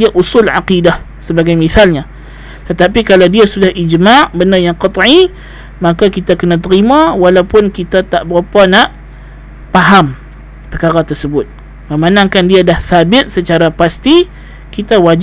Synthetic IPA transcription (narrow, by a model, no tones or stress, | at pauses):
iaʔusʊlʕa̰qidah | səbaɡajmiθalɲa | t̪ət̪apikalawdiasudahʔid͡ʒmaʔbənajaŋqɑt̪ˤʕi | makakit̪akənat̪əɾimãwalawpʊnkit̪at̪aʔbəɾapanaʔ | paɦam | pərkaɾat̪ərsəbʊt̪̚ | məmanaŋkandiadahθabɪt̪̚sət͡ʃaɾapast̪i | kit̪awad͡ʒ